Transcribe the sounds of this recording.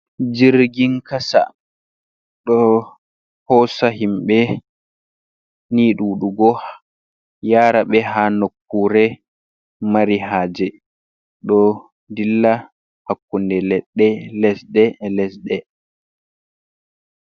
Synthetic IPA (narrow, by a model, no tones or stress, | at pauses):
d͡ʒiɾɡiŋkasa̰ | ɗɔ | hɔsaɦimɓɛ | niːɗuːɗuɡɔh | jaːɾaɓɛɦanokːuɾɛ | maɾiɦaːd͡ʒɛ | ɗɔ | dilːa | hakːundɛlɛɗːɛlɛsɗɛlɛsɗɛ